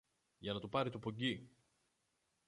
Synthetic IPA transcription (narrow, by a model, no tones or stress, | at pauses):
ʝɐnɐt̪upɐɾit̪upoɲɟi